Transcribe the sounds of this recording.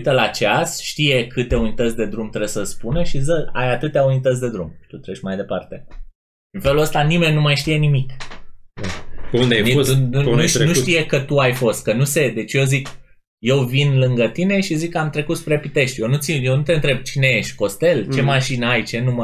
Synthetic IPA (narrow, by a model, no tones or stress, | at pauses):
t̪əlat͡ʃeasʃt̪ije̞kɨt̪e̞unit̪ət̪sʲd̪e̞d̪ɾumt̪ɾe̞səspuneʃizəa̰jat̪ɨt̪eaunit̪ət̪s̬ʲd̪e̞d̪ɾumt̪ut̪ɾeʃʲmajd̪e̞part̪e̞ | ɨnfe̞luəst̪anime̞nʲːnumajʃt̪ije̞nimik | pund̪eajnuuuʃnuʃt̪ijekət̪uajfo̞st̪̚kənuse̞d̪e̞t͡ʃjewzik | je̞wvinlɨŋɡət̪ine̞ʃizikːəamt̪ɾe̞kut̪spɾe̞pit̪e̞ʃt̪ʲjewnut̪sʲijewnut̪eɨnt̪ɾe̞b̚t͡ʃinejeʃt̪̚ʲko̞st̪e̞lt͡ʃe̞maʃinəajt͡ʃe̞numə